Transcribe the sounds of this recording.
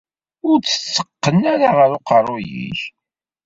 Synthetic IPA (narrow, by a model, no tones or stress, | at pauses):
ʊɾt͡sːə̥t͡sːə̥qːənːæɾaʁəɾʊqɑrˤojḭç